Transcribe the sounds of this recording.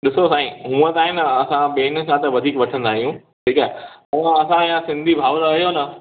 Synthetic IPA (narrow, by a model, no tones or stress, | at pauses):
ɗɪsosaːĩɦũːət̪aːɦɪnɐsãɓeːn̆kʰãt̪ɐʋɐd̪ʱiːkʋɐʈʰə̃nd̪aːɦijũ | ʈʰiːkaːɦeɐãɐsãijãsɪ̃nd̪ʱibʱaːʋɾɐɦijonɐ